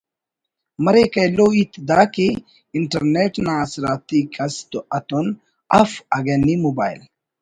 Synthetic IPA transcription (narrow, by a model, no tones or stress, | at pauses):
mɐɾekɐjloːit̪d̪aːke | iɳʈɐɾneʈnãsɾaːt̪ikɐst̪oʔɐt̪on | ɐfɐɡenːimobaːjil